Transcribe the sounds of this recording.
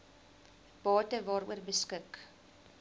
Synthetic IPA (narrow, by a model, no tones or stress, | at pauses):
b̥ɑːtəvɑːɾṵərbəskək